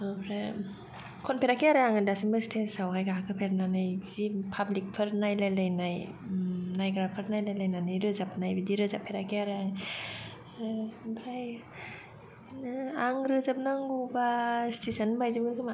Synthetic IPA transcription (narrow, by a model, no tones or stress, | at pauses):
ɾa | kʰɔnpʰeɾakʰiaɾɯaŋɯdasimbɯstʰesawɦajɡaɦakʰɯpʰeɾnanajzipʰablik̚pʰɯɾnajlajlajnaj | najɡɾapʰɯɾnajlajlajnanɯjɾɯzap̚najbidiɾɯzapʰːeɾakʰiaɾɯaŋ | baj | naŋɾɯzap̚naŋɡubastesənbajzɯɡɯnkʰɯma